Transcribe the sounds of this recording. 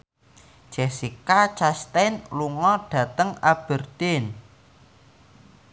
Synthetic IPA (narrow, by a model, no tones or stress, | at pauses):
d͡ʒ̥ɛsikat͡ʃast̪ɛnluŋɔɖ̥ä̤t̪əŋab̥ə̤rd̪̥ɪn